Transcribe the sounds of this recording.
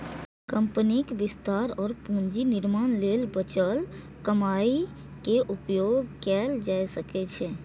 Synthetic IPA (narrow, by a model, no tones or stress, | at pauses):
kəmpənikbist̪aɾɔːɾpũnd͡ʒiniɾmanlelbət͡ʃəl | kəmai | keʔupjoɡkɛld͡ʒajsəkɛt͡ʃʰɛ